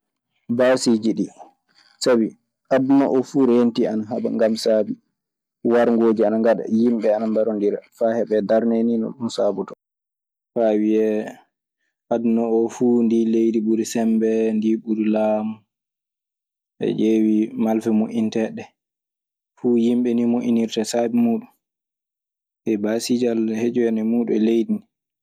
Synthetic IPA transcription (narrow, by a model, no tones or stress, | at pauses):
basid͡ʒiɗi | sabi | ʔadnɔʔɔfuːɾentianaɦaba̰ŋɡamsaːbi | waɾŋɡod͡ʒianaŋɡaɗa̰jimɓɛanambaɾɔndiɾa̰fahɛbɛdaɾneninɔ̰ɗunsabutɔ | fawiɛ | ʔadnɔɔfundilejdiɓuɾisɛmbɛndiɓuɾilaːmu | ʔɛ̰d͡ʒewimalfɛmoʔintɛɗɛ | fuːjimɓɛnimoʔiniɾtasabimuːɗum | ʔɛbasid͡ʒalhed͡ʒujɛnɛmuːɗuɛlejdini